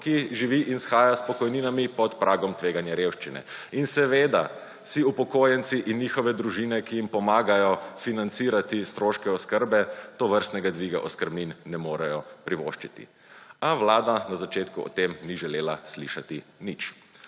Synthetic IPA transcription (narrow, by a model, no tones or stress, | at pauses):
kiʒiʋiʔinsxaːjaspɔkɔjniːnamipɔt̪pɾʔaːɡɔmt̪ʋeːɡanjɛɾewʃt͡ʃinɛ̰insɛʋeːd̪a | siupɔkoːjɛnt̪siʔinːjixɔʋɛd̪ɾuʒiːnɛkijimpɔmaːɡajɔfinant̪siːɾat̪ist̪ɾoːʃkɛɔskəɾbɛt̪ɔʋəɾst̪nɛɡad̪ʋiɡa̰ʔɔskəɾbninːɛmoːɾɛjɔpɾiʋo̰ːʃt͡ʃit̪ḭ | aʋlaːd̪anazat͡ʃeːt̪kuɔ̰t̪emniʒɛleːlaslḭʃat̪init͡ʃ